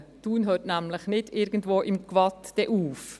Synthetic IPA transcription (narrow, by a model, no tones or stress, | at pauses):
d̥uːnɦøːtnæmləχnɪdɪɾɡən̩dvoːʔɪmkvɑtd̥ɛʔuːf